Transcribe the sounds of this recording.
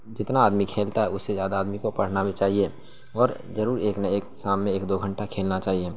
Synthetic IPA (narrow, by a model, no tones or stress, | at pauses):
d͡ʒɪt̪naːd̪mikʰeːlt̪aɦɛʊsːezjaːd̪aːd̪mikopɐɽ̤nabʱit͡ʃaːɦie | ɔːɾ | zɐɾuːɾeːknɐeːksaːmːẽeːkd̪oːɡʱə̃ɳʈakʰeːlnat͡ʃaːɦie